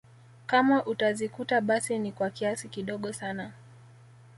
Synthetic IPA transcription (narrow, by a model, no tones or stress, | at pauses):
kamaʔutazikutaɓasinikwakiasikiɗɔɠɔsana